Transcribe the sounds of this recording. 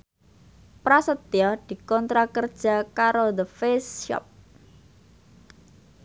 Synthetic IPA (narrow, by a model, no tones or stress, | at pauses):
pɾasət̪jɔd̪̥i̤kɔnt̪ɾakərd̥ʒ̥a̤kaɾod̪əfesʃɔ̰p̚